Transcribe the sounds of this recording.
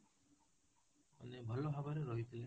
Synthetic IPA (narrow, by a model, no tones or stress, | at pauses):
ɔ̰nebʱɔlɔbʱabɔɾeɾɔɦit̪ʰile